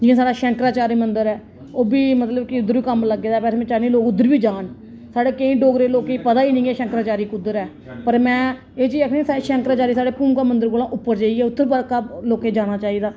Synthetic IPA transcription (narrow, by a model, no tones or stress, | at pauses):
d͡ʒɪãːs̬aːɽaːʃɛŋkɾaːt͡ʃaːɾiːmənd̪əɾɛː | oːbiːmət̪ləbkɪʊd̪ːəɾʋiːkəmləɡeːd̪aːpɛːseːmɛ̃t͡ʃaːniːloːkʊd̪ːəɾbiːd͡ʒaːɳ | saːɽeːkeĩːɖoːɡɾeːloːkeːipəd̪aːiːnĩːeːʃɛ̃ŋkɾaːt͡ʃaːɾiːkʊd̪ːəɾɛː | pəɾmɛ̃ː | eːt͡ʃiːəkʰːsaːeːʃɛ̃ŋkɾaːt͡ʃaːɾiːsaːɽeːpuːmkãːmənd̪əɾkoːlãːʔʊpːəɾd͡ʒaːiɡeːʊt̪ʰːəɾbəɾkaloːkeːd͡ʒaːɽ̃aːt͡ʃaːiːd̪aː